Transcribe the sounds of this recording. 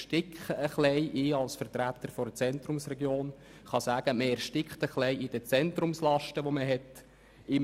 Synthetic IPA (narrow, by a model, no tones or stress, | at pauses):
ʃtɪkχəəχlɛɪʔiːɑlsfəɾt̪ɾæt̪ːəɾfɔɾət͡sɛnt̪ɾrʊmsrɛɡjoːn | χɑsæːɡ̥əməɛɾʃtɪkχtəχlɛɪid̥ət͡sɛnt̪rʊmslɑʃtəʋoməɦɛt | ɪ